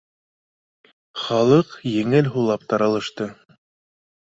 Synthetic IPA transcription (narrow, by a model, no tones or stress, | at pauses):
χɑlˠɤqjɘ̆ŋɘlɦulˠɑp̚t̪ɑɾɑlˠɤ̆ʃt̪ɤ